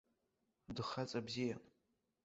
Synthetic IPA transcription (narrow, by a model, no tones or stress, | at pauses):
dɨχat͡sʼabzija